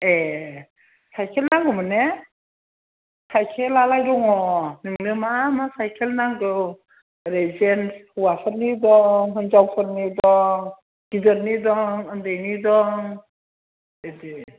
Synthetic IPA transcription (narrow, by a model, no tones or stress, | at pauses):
e | sajkʰelnaŋɡɯmɯne | sajkʰelalajɾɔŋɔnɯmnɯmamasajkʰelnaŋɡɯw | ɾezenshuwapʰɯɾnidɔŋɦɯnd͡ʒawpʰɯɾnidɔŋ | ɡ̥idəɾnidɔŋɯndejnidɔŋ | ede